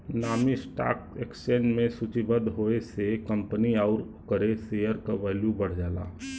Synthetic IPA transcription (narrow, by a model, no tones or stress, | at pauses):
naːmisʈa̰ːkeksẽːnɖmẽsut͡ʃibəd̪ɦoːesekə̃mpəniaʊɾ | kəɾesejəɾkaʋɛːljubəɽ̤d͡ʒaːla̰ː